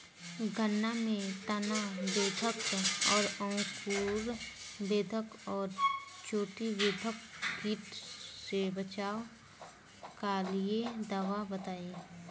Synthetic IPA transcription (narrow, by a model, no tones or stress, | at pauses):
ɡʱənːamẽt̪ənabeːd̪ʱəkɔːɾəʊ̃skuːɾ | b̪eːd̪ʱəkɔːɾt͡ʃoːʈibeːd̪ʱəkpiːʈsebət͡ʃaːo | kalied̪aːʋabət̪aːeː